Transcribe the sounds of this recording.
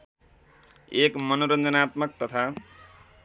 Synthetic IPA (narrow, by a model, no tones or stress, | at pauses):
ekmʌnoɾʌnd̪ʱʌnaːt̪mʌk̚t̪ʌt̪ʰa